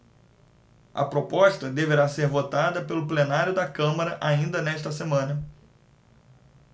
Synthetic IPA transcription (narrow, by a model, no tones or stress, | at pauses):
ɐ̰pɾopɔʃt̪ɐd̪eveɾaseɾvot̪ad̪ɐpelʊplenaɾjʊd̪ɐkɐ̃mɐɾɐʔaĩnd̪ɐnɛʃt̪ɐsemɐ̃nɐ